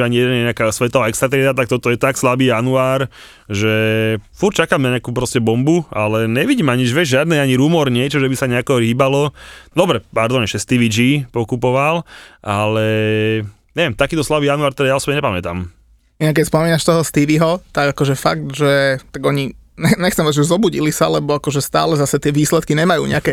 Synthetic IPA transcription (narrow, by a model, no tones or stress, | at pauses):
aɲijɛd̪ɛnjɛɲɛakasʋɛt̪ɔɦɔɛkst̪ɾat̪ɾɛd̪at̪ak̚t̪ɔt̪ɔjɛt̪akslabiːjanuaːɾ | ʒɛfuɾt͡ʃakaːmnaɲɛakuːpɾɔscɛbɔmbualɛɲɛʋiɟiːmaɲid͡ʒʋɛʒʒɪad̪nɛaɲiɾumɔɾɲɪɛt͡ʃɔʒɛbisaɲɛakɔɦibalɔd̪ɔbɾɛpaɾd̪ɔɲɛʃɛst̪iʋid͡ʒipɔkupɔʋalʔalɛ | ɲɛʋjɛmt̪akiːt̪ɔslaʋijanuaɾt̪ɛd̪ajaɔsɔbɲɛɲɛpamɛt̪a̰ːm | inak̬ːɛcspɔmiːnaʃt̪ɔɦɔst̪iʋiɦɔt̪aɡakɔʒɛfaɡ̚t̪ʒɛt̪aɡɔɲiɲɛɲɛxt͡sɛmaʒɛzɔbuɟilisalɛbɔakɔʒɛst̪a̰ːlɛzasɛt̪ɪɛʋiːslɛt̪kiɲɛmajṵːɲɛ̰akɛ